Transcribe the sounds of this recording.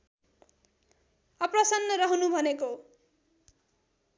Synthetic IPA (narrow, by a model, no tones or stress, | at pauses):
ʌprʌsʌnːʌɾʌɦʌnubʱʌneko